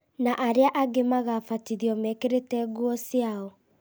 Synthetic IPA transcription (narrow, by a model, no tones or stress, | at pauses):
naʔaɾeaʔaɡemaɣafatiɾiɔmɛkeɾetɛɣuɔsiaɔ